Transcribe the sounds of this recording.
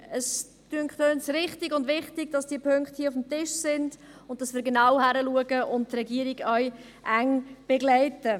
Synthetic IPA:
əs | tyəŋkχtønsɾɪχtɪɡʊndvɪχtɪɡ̥̚d̥ɑsd̥iːəpʰøŋkχthiəʊfm̩tɪʃsɪnd̥ | ʊnt̚tɑsvɪːɾɡenaʊhæɾəluəɡəʔʊnt̚trɛɡiːəɾiɡœɥ | ʔæŋb̥eɡlɛɪtə

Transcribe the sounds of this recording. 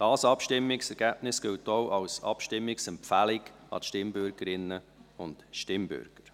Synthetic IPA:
d̥ɑːsɑpʃtɪmːɪksɛɾɡ̥æb̥nɪsɡ̥ɪltoʔɑwsɑ̰pʃtɪmːɪksɛmpfælɪɡɑ̰tʃtɪmbʏɾɡ̥əɾɪnːə | ʊntʃtɪmbʏ̰ɾɡ̥əɾ

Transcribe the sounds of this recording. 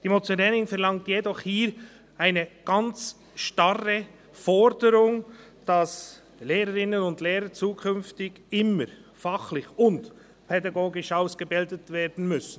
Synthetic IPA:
d̥imot͡sɛɾɛnɪŋfɛɾlɑŋtjedɔχhiːɾ | ʔaɪnəɡ̥ɑnt͡s | ʃtɑrə | fɔɾdəɾʊŋ | d̥ɑs | leːɾəɾɪnənʊndleːɾət͡suːkʰʏnftɪɡ | ɪməɾfɑχlɪçʊnt | pʰɛdɑɡoːɡɪʃaʊsɡ̥əbɪldətveːɾdn̩mʏsn̩

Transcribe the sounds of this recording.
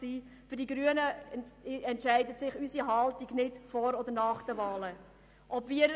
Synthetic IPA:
siː | fʏdiɡɾyənə | ɛntʃæɪdətsɪχysiɦɑltiɡnɪdfɔɾɔd̪əɾnɑːχd̥əvɑːlə | ʔɔbviːəɾ

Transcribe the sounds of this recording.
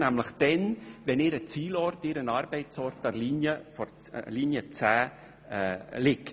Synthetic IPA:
næmləχd̥ɛnʋɛnɪɾət͡siːlɔrtɪɾənɑːɾbɛɪt͡sɔɾtɑliːnjəfɔ | liːnjət͡sæː | lɪk

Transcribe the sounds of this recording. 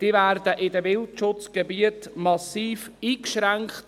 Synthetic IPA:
d̥iːvæːrdəʔɪdəvɪltʃʊt͡sɡ̥ebiətmɑsiːfiːkʃræŋkχt

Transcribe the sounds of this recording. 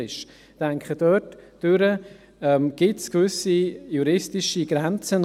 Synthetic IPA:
ɪʃ | d̥ɛŋkχədœtd̥øɾə | ɛmɡ̥ɪtskvʏsijuɾɪstɪʃiɡ̥ɾɛnt͡sən

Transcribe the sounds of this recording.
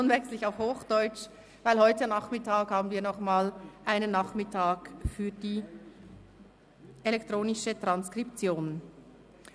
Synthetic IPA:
nvɛkslɪçaʊfhoːxd̥ɔʏt͡ʃ | vaɪlhɔʏtənaχmɪtaːkhaːbn̩viːɐnɔχmaːlʔaɪnənːaχmɪtʰaːɡfyːɐdiː | ʔelɛktʁoːnɪʃətʁ̥anskʁ̥ipt͡sjoːn

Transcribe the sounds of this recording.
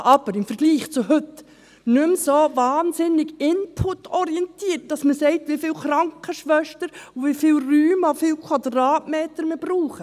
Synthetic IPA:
ʔɑb̥əɾɪmfəɾɡliːχt͡sʊɦʏt | nʏmsovaːnsɪnɪɡɪnpʰʊtːɔɾiɛntiːət̚d̥ɑsməsɛɪtʋifɪlχɾɑŋkʰəʃʋœʃtəɾvifɪlryːmɔfɪlkʰwɑdrɑːtmeːtəɾməb̥ruːχə

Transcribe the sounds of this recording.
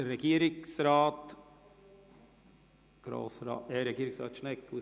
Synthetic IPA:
ɾɛɡiːɾɪŋsɾɑːt̪ | ɡ̥ɾo̰ːsɾɑ̰ːɛɾɛɡiːɾɪŋsɾɑ̰ːt̪ʂɳɛkːu

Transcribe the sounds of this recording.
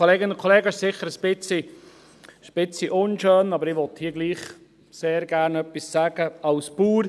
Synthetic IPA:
oleːɡɪnʊnkʰɔleːɡəɪʃsɪχəɾəsb̥ɪt͡si | sb̥ɪt͡siʔʊnʃøːnɑbəɾɪʋɔt̪hiːəɡliːχ | seːɾɡæɾnœpisːæːɡ̥əɑʊspuːɾ

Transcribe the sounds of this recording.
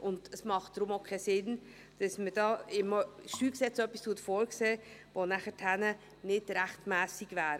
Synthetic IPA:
ʔʊnd̥əsmɑχt̚d̥ɾʊmokʰɛsɪn | d̥ɑsməd̥ɑːɪməʃtyːlksɛt͡sœpːistʰuətfoːɾkseːvonæχətʰænə | nɪd̥ɾæχtmæːsiɡvæːɾ

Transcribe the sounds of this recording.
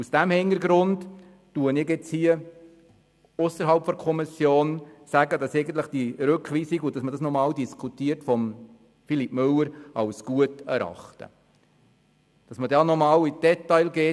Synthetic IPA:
usd̥æmhɪŋəɾɡɾʊnd | tuənɪɡɛt͡shiːə | ʊsəɾɦɑlpfɔdkʰɔmisjoːnsæɡədɑsɛɪɡən̩t̪ləχd̥iɾɵkχʋiːsiɡʊd̥ɑsmədɑsnɔmɑːldiskʰutiːəɾtfɔm | filipmɵlːəɾɑwsɡ̥uətæ̰ɾɑ̰χtə̰ | d̥ɑsmədɑːnɔmɑːlid̥ɛtːɑɪlɡeː

